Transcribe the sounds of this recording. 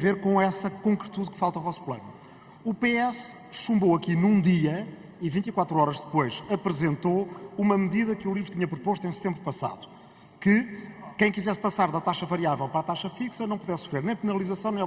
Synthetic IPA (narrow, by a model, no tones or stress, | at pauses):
veɾkõɛsɐkõŋkɾɨt̪uðkfalˠt̪ɐɔvɔsplˠɐ̰nu | upeɛs | ʃũmbowɐkinũd̪iɐ | ivĩnt̪ikwat̪ɾuɔɾɐʒðɨpojʃɐpɾɨzẽnt̪oumɐmðiðɐkulˠivɾut̪iɲɐpɾupoʃt̪uẽj̃sɨ̥t̪ẽmbɾupɐsa̰ðu | kɨkɐ̃j̃kizɛspɐsaɾðɐt̪aʃɐvɐɾiavɛlˠpɐɾat̪aʃɐfiksɐnɐ̃w̃puðɛsu̥fɾeɾnɐ̃j̃pɨnɐlˠizɐsɐ̃w̃nẽ